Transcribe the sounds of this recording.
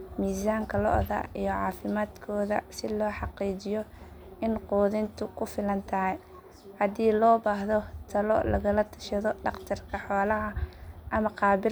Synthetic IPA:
miːsaːŋkʰɐlɔ̰ʔðɐ̰ijɔʕɑːfɪmaːd̪kʰɔːðɐ̰sɪlɔːħɑqiːt͡ʃɪjɔɪnquːðɪnt̪ʰʊkʰʊfɪlɐnt̪ʰɐɦɐj | hɐðiːlɔːbaːɦðɔt̪ʰɐlɔlɐ̰ɣɐlɐt̪ʰɐ̥ʃɐðɔɖɑqt̪ʰɐrkʰɐħɔːlɐɦɐʔɐmɐqɑːbɪ

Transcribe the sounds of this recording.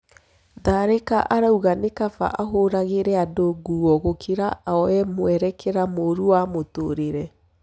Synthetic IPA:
ðaɾekaʔaɾauɣanekafa̰ʔaɦoɾaɣeɾɛadoɡuɔɣokʰeɾaaɔɛmwɛɾɛkɛɾamoɾuwamotoɾeɾɛ

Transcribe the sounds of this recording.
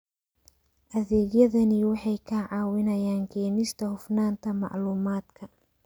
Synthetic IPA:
ʔɐðɛːɡjɐðɐnɪwɑħɑjkʰɐʕɑːwɪnɐjaːŋkʰɛːnɪst̪ʰɐhʊfnaːnt̪ʰɐmɑ̰ʕluːmaːd̪kʰɐ

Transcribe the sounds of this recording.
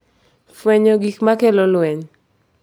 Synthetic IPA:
fwɛɲoɡikmakelolwɛɲ

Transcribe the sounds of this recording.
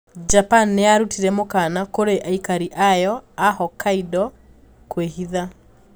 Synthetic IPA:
d͡ʒapanːeaɾutiɾɛmokanakoɾeʔaikaɾiʔajɔahɔkaidɔ | kweɦiða

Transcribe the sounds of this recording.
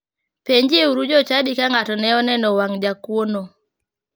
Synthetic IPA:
peɲd͡ʒieuɾud͡ʒɔt͡ʃadikaŋɡatɔnɛɔnɛnɔwaŋd͡ʒakwono

